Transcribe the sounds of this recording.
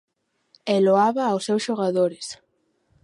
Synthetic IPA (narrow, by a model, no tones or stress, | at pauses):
ɛloaβaːwsewsʃoɣaðoɾɪs